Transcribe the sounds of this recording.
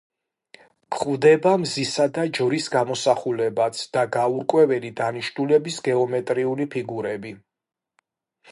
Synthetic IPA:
kʰχʼvd̪ɛbamzisad̪ad͡ʒvɾisɡamɔsaχulɛbat̪sʰd̪̥aɡauɾkʼwɛvɛlid̪aniʃnulɛbisɡɛɔmɛt̪ʼɾiulipʰiɡuɾɛbi

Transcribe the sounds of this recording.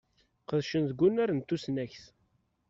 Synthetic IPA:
qəðʃənðɡʷːunæɾənt̪ːusnæçθ

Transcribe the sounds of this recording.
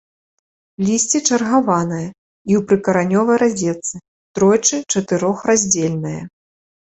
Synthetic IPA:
lʲisʲt͡sʲit͡ʂɐrɣavanɨjɐ | iwpɾɨkɐɾanʲɔvɐjɾad͡zʲɛt̪sɨ | t̪ɾɔjt͡ʂɨt͡ʂɐt̪ɨɾɔxrazʲd͡zʲelʲnɨjɐ̰

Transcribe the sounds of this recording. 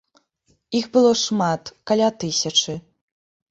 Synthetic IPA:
ixbɨlˠɔʂmat̪kalʲat̪ɨsʲɐt͡ʂɨ

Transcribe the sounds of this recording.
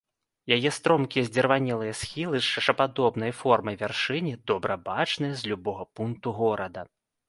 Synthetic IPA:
jajɛst̪ɾɔmkʲijɛzʲd͡zʲɛrvanʲɛlˠɨjɐsxʲilˠɨʂt͡ʂɐʂɐpad̪ɔbnɐjfɔrmɐjvʲarʂɨnʲid̪ɔbɾɐbat͡ʂnɨjɐzʲlʲubɔɣɐpunk̚t̪uɣɔɾɐd̪ɐ

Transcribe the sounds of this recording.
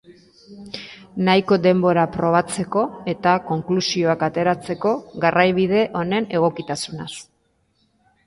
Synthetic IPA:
najko̞d̪e̞mbo̞ɾapɾo̞β̞at͡se̞ko̞e̞t̪ako̞ŋklusio̞akat̪e̞ɾat͡se̞ko̞ɣarʔajβiðe̞ʔo̞ne̞ne̞ɣ̞o̞kit̪asunas

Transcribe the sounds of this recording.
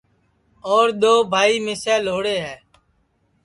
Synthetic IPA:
ɔːɾɗ̪oːbʱaːiːmeːsɛːloːɽeːɦɛː

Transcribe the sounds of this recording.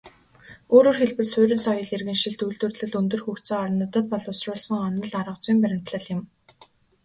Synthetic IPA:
oːɾoːrxeɮpɘ̆ɮsʊːɾĭnsɔjɞ̆ɮirɣɘ̆nʃĭɮt̪ujɮt̪uːrt̪ɮɘ̆ɮɵnt̪ɵ̆rxuːxt̪sŏŋɔɾɞ̆nʊt̪ə̆t̪̚pɔɮʊsrʊːɮsə̆ŋɔnə̆ɮaɾə̆q̚t͡swiːmpæɾʲɪ̆m̥t̪ɮə̆ɮjɪ̆m

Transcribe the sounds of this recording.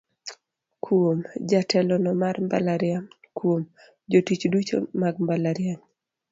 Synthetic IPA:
kʰwomd͡ʒatɛlɔnɔmarmbalaɾɪam | kwom | d͡ʒotit͡ʃdut͡ʃo̰maɡmbalaɾɪaɲ

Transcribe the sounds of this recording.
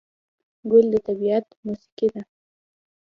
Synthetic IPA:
ɡʊld̪ət̪abiat̪musi̥qid̪a

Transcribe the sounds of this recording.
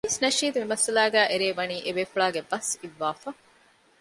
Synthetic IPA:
isnɐʃiːd̪uʋimɐsɐlæːɡæːʔeɾeːʋɐniːʔeʋeːfuɭaːɡebɐsiʋːaːfɐ

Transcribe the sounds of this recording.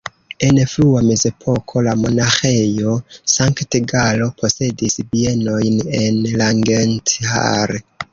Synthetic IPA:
e̞nfluame̞ze̞pʰo̞kʰo̞lamo̞naxe̞jo̞saŋkteɡalo̞pʰo̞se̞disbie̞no̞jne̞nlaŋɡenta̰ɾ

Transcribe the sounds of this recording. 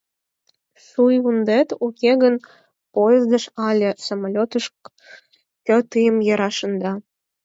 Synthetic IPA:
ʃujund̪et̪ukʲeɣən | pojezd̪əʃɑlʲesomolʲot̪əʃ | kʲə̆t̪ɯjəmjə̆ɾɑʃə̆nd̪ɑ

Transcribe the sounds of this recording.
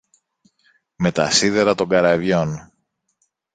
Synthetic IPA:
me̞t̪ɐ̰siðeɾɐt̪o̞ŋɡɐɾɐvʝo̞n

